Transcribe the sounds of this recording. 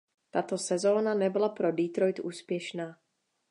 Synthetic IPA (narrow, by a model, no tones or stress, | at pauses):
t̪at̪osɛzoːnanɛbɪlapɾodit̪ɾojt̪ʔuːspjɛʃnaː